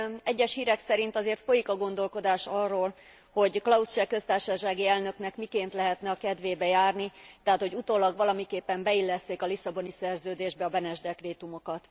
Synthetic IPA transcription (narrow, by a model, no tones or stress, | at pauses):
ɛɟːɛʃhiːɾɛksɛɾint̪ɒzeːrt̪fo̞jikɒɡo̞nd̪o̞lko̞d̪aːʃɒrːoːl | ho̞ɟklɒust͡ʃɛkø̞st̪aːrʃɒʃaːɡiɛlnø̞knɛkmikeːnt̪lɛɦɛt̪nɛɒkɛd̪ʋeːbɛjaːrnit̪ɛɦaːt̪ho̞ɟut̪oːlɒɡʋɒlɒmikeːpːɛmbɛilːɛst̪eːkɒlisɒbo̞nisɛrzøːd̪eːʒbɛɒbɛnɛʒd̪ɛkreːt̪umo̞kɒt̪